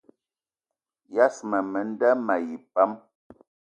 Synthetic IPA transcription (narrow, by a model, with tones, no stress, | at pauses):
ja˦smə˨mə˨n̩˦da˦ma˨ji˨pa˦m